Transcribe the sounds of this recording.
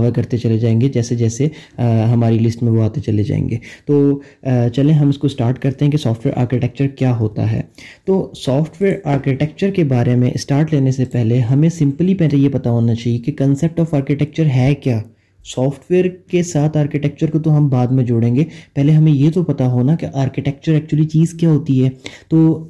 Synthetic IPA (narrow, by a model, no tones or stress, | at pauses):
ʋəɾkɐɾt̪et͡ʃɐled͡ʒaːẽːŋɡed͡ʒɛːsed͡ʒɛːseɦɐmaːɾilɪsʈmẽʋoaːt̪et͡ʃɐled͡ʒa̰ːḛ̃ːŋɡḛːt̪oːt͡ʃɐlẽɦɐmɪskosʈaːɾʈkɐɾt̪eɦɛ̃kisɔːfʈʋeːɾʔa̰ːɾkɪʈɛk̚t͡ʃəɾkjaːɦoːt̪a̰ɦɛ̰ːt̪oːsɔːfʈʋeːɾaːɾkɪʈɛk̚t͡ʃəɾkebaːɾemẽʔsʈaːɾʈleːnesepɛɦleɦɐmẽsɪ̃mplipɛːɦlejepɐt̪aɦoːnat͡ʃaːɦiekekɐ̃nsep̚ʈɔːfaːɾkɪʈɛk̚t͡ʃəɾɦɛːkjaː | sɔːfʈʋeːɾkesaːt̪ʰaːɾkɪʈɛk̚t͡ʃəɾkot̪oɦɐmbaːd̪mẽd͡ʒʊɽẽːŋɡepɛɦleɦɐmẽjet̪opɐt̪aɦoːnakeʔaːɾkɪʈɛk̚t͡ʃəɾɛːk̚t͡ʃuəlit͡ʃiːzkjaːɦoːt̪iɦɛːt̪oː